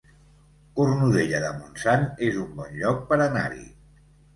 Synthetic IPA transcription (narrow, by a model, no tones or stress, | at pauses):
kurnuðeʎəðəmunsanezumbɔnʎɔk̚pəɾəna̰ɾḭ